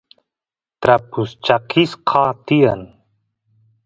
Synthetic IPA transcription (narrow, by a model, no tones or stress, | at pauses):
t̪ɾɐpust͡ɕaqisqʰaːt̪ijɐn